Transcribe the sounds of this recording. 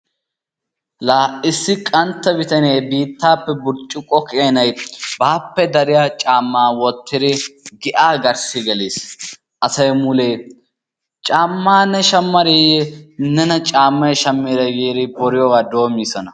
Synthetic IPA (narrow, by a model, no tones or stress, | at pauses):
laːʔɪsːɪkʼɐnt̪ːɐbɪt̪ɐneːbiːt̪ːaːpːɛbʊɾt͡ʃʼːɪkʼɔkʰeːnɐjbaːpːɛd̪ɐɾɪjat͡ʃʼaːmːaːwɔt̪ʰːɪd̪ɪɡɪʔaːɡɐɾsɪɡɛleːs | ʔɐsɐjmʊleː | t͡ʃʼaːmːaːnːɛʃɐmːɐɾejɛnːɛnɐt͡ʃʼaːmːɐjʃɐmːeːɾɐjeːɾɪbɔɾɪjɔɡaːd̪o̞ːmːiːsɔnɐ